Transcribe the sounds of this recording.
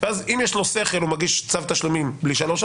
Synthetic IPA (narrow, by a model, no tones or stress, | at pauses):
veazimjeʃlo̞se̞χelumaɡiʃt͡savt̪aʃlumimbliʃaloʃ